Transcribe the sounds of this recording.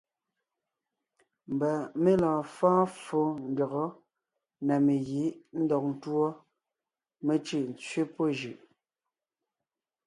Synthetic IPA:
m̩˨ba˨me˦lãː˨fãː˦fo˦n̩˦ɡɔ˨ɣɔ˨˦ | na˨me˨ɣi˨˦ʔn̩˦dɔ˨k̚n̩˦twɔ˦ | me˦t͡ʃʉ˦˨n̩˨t͡sɥe˦po˦ʒʉ˨ʔ

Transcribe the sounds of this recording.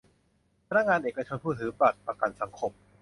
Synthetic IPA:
pʰa˧na˦˥k̚ŋaː˧nʔeː˨˩ka˧t͡ɕʰo˧npʰuː˥˩t̪ʰɯː˨˩˦pɾa˨˩t̪̚pɾa˧ka˨˩nsa˩˦ŋkʰo˧m

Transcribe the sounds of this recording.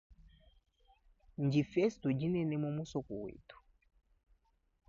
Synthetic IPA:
ɲ˨d͡ʒi˨fɛ˦stu˨d͡ʒi˦nɛ˦nɛ˦mɔ˦mu˦sɔ˨ku˨wḭ˨tu̥˨

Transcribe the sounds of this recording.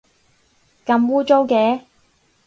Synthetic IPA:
kɐ˨˧˥mwuː˥t͡so˥wkɛː˨˥

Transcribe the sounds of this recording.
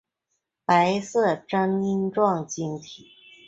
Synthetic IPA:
pa˧˥ɪsɤ˥˩ʈ͡ʂɑ˥ŋi˥nʈ͡ʂwɑ˥˩ŋt͡ɕi˥ŋt̪ʰi˨˩˦

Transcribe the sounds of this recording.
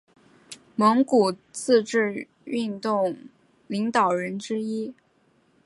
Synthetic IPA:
mɤ˧˥ŋku˨˩t͡sɹ̩˥˧ʈ͡ʂɻ̩˥˧ | y˥˧nt̪ʊ˥˩ŋ | li˧˥ŋt̪ɑ˨˩ʊɻə˧˥nʈ͡ʂɻ̩˥i˥

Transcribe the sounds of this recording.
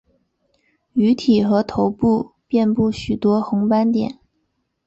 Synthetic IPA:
y˧˥t̪ʰi˨˩xɤ˧˥t̪ʰo˧˥ʊpu˥˧pjɛ˥˧npu˥˩ɕy˨˩t̪wɔ˥xʊ˧˥ŋpa˥nt̪jɛ̰˨˩˦n

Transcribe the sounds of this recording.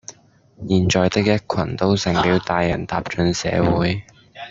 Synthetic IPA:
jiː˨˩nt͡ʃɔː˨jt̪ɪ˥k̚jɐ˥t̚kʷʰɐ˨˩nt̪o˥wsɪ˨˩ŋpiː˨˥wt̪aː˧jːɐ˨˩nt̪aː˧˨p̚t͡ʃɵ˧nsɛ̰ː˨˧˥wuː˨˧˥j

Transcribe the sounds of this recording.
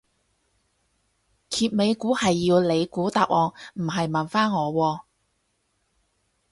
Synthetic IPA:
kʰiː˧t̚me˨˧jkuː˨˥hɐ˨jːiː˧wle˨˧jkuː˨˥t̪aː˨˧p̚wʔɔː˨ŋm̩˨˩ɦɐ˨jmɐ˨˩nfaː˥nŋɔː˨˧wɔː˧

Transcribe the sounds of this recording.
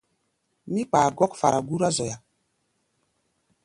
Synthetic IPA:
mi˦k͡pa˨ɡɔ˦kfa̰˨ɾa˨ɡu˦ɾa˦zɔ˨ja˨

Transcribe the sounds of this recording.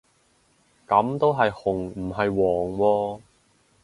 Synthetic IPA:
kɐ˨˥mt̪o˥wɦɐ˨jhʊ˨˩ŋm̩˨˩ɦɐ˨jwɔː˨˩ŋwɔː˧

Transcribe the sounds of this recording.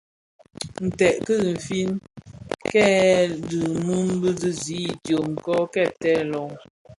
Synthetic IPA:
n̩˨tɛ˨ʔkə˦˨m̩˨fi˦n | kɛː˦˨dɨ˨nu˦nbə˦zɨ˦zi˨˦˨tjo˨ŋ̩˨kɔ˦kɛ˦˨tɛ˦lɔ˨ŋ

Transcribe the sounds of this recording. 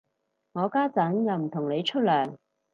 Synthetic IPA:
ŋɔː˨˧kaː˥t͡sɐ˨˥njɐ˨˧wm̩˨˩t̪ʰʊ˨˩ŋne˨˧jt͡ʃʰɵ˥t̚lœː˨˩ŋ

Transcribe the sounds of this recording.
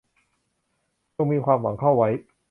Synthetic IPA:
t͡ɕo˧ŋmiː˧kʰwaː˧mwa̰˩˦ŋkʰa˥˩wːa˦˥j

